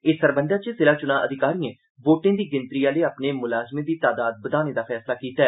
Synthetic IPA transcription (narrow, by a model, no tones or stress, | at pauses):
eːsəɾbəɳɖaːt͡ʃəsɪlaːt͡ʃʊnãːʔəd̪ɪkaːɾiːẽː | ʋoːʈẽːd̪iːɡɪnt̪ɾiːaːləiːaːpneːmʊlaːzmẽːd̪iːt̪aːd̪aːd̪̚bəd̪aːnẽːd̪aːpʰɛːslaːkiːt̪aːɛː